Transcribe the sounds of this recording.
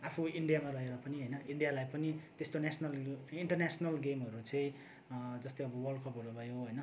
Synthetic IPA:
apʰuiɳɖijamalʌɦeɾʌpʌniɦʌjnʌʔiɳɖijalajpʌnit̪est̪onesʰnʌliɳʈʌrnesʌnʌlɡemɦʌɾut͡sʌ̃ĩ | d͡zʌst̪eʌbʌwʌrɖkʰʌpɦʌɾubʱʌjoɦʌjnʌ

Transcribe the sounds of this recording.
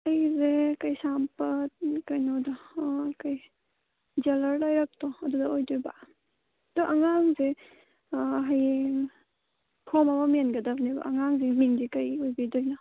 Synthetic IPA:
ajzekajsampɐt̚kajnɔdɔkaj | d͡ʒelɐɾlajɾak̚tɔɐdudɐojdojba̰ | dɔʔaŋaŋze | ɦaj | pʰɔmɐmɐmenɡɐdɐbniba̰ʔːŋaŋzeniŋdikajojbidojna

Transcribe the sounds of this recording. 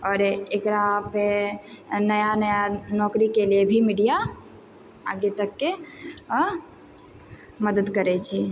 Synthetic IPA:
ɔːɾekɾape | nəjanəjanɔːkɾikeliebʱimiːɖija | a̰ːɡet̪əkːe | məd̪əd̪kəɾet͡ʃʰe

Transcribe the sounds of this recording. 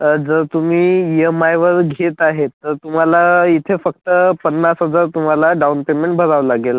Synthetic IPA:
d͡zəɾt̪um̤iːjəmajʋəɾɡʱet̪aɦet̪ːəɾt̪um̤alait̪ʰefək̚t̪əpənːasɦəd͡zaɾt̪um̤alaɖawnpemeɳʈ̚bʱəɾaʋlaɡela

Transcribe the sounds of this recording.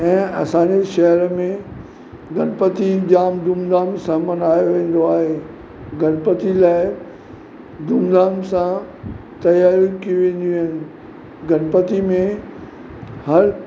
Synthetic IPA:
ɛ̃ːɐ̰sãːɲd͡ʑeʃɐɦəɾmẽ | ɡʱɐnpət̪id͡ʑaːmd̪uːmd̪aːmsãmɐnaːjoʋẽːn̆d̪oaːɦe | ɡɐnpət̪ilaːɪ | d̪uːmd̪aːmsã | t̪ɐjaːɾikiiʋẽːn̆d̪iaːɦɪnɪ̆ | ɡʱɐnpət̪imẽ | hɐɾ

